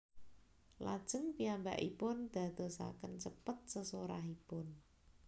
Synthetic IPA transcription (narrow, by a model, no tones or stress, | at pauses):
lad̥ʒ̥ə̤ŋpiamba̰ʔipʊnd̪̥a̤d̪̥o̤sa̰kənt͡ʃəpət̪̚səsoɾaɦipʊn